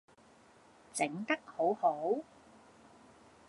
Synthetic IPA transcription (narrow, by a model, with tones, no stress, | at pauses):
t͡sɪ˨˥ŋt̪ɐ˥k̚ho˨˥who˨˥w